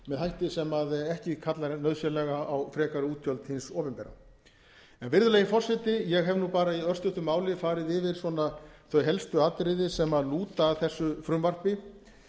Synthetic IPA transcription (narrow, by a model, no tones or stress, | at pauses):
mɛðhɦajht̪ɪsɛmaðɛhcɪkʰat̪laɾnœðsɛlɛɣaawfɾɛːkaɾʏuːt̪ʰjœlt̪hɪnsɔːpɪmpɛɾa̰ | ɛnvɪɾðʏleːjɪfɔr̥sɛt̪ɪjɛɣɦɛvnupaːɾaiœr̥st̪ʏht̪ʏmaːwlɪfaːɾɪðɪvɪɾ̥swɔnaθœɥɦɛlst̪ʏat̪ɾɪðɪsɛmaluːt̪aːðθɛsːʏfɾʏmvar̥pɪ